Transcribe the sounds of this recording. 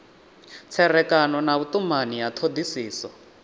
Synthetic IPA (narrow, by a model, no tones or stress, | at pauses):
t͡sʰɛrɛkanɔnaβut̪umanijat̪ʰod̪isiːsɔ